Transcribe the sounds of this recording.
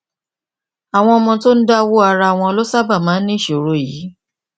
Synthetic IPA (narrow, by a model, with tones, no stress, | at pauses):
a˨w̃ɔ̃˧ɔ˧mɔ̃˧to˦n̩˦da˦wo˦a˧ɾa˧a˨w̃ɔ̃˧ɔ˧lo˦sa˦ba˦˨mãː˨˦n̩˦nĩ˦˨ʃo˨ɾo˨˦˨jiː˨˦